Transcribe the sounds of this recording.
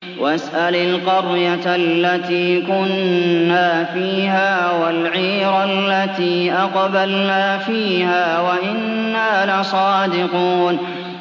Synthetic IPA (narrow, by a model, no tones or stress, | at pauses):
wʔʔasʔalalqɑɾjatlːat̪iːkʊnnːaːfiːhaːwalʕiːɾalːat̪iːʔɑqbalnaːfiːhaːwaʔɪnːaːlɪsˤɑːd̪ɪquːn